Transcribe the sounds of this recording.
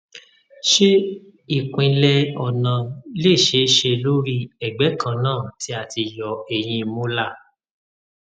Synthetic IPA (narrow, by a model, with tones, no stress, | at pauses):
ʃe˦ | i˦˨kʷĩ˧lɛ˧ɔ˨nã˨le˦˨ʃe˧˦ʃe˧lo˦ɾi˦ɛ˨ɡ͡bɛ˨˦kʰã˦˧nãː˦˨ti˨˦a˦˨ti˧jɔ˨e˨j̃ĩ˧mũ˦la˦˨